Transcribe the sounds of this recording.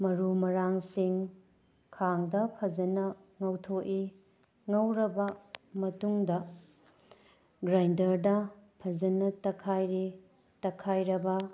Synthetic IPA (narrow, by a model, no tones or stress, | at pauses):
mɐɾumɐɾaŋsiŋ | kʰaŋdɐpʰɐd͡ʒɐnɐ | ŋɐwtʰoʔi | ŋɐwɾɐbɐmɐtuŋdɐ | ɡɾajndɐɾdɐpʰɐd͡ʒɐnɐtɐkʰajɾi | tɐkʰajɾɐbɐ